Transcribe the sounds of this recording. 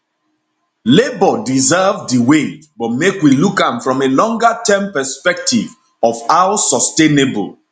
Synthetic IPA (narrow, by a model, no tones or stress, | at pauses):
lebɔdizɛvdiwebɔt̚mekwilukãmfɹɔ̃melɔ̃ŋɡətɛ̃mpɛspɛk̚tiv | ɔvawsɔstenebo̰lˠ